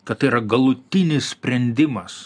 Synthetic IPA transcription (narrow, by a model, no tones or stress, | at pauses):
kɐt̪t̪ːɐɪiɾɐɡɐlˠʊt̪ʲɪnʲɪsʲsʲpʲɾʲɛnʲd̪ʲɪmɐs